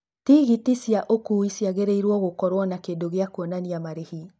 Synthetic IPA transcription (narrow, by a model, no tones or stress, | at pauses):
tiɣitisjaʔokuisjaɣeɾeiɾwɔɣokɔɾwɔnakendoɣeakwonaniamaɾehi